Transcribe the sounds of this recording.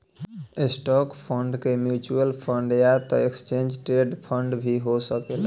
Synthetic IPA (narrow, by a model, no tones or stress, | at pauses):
esʈɔkpʰəɳɖkemjut͡ʃuəlpʰəɳɖjat̪ɔekst͡ʃẽnd͡ʒʈɾeɖpʰəɳɖbʱiɦosəkel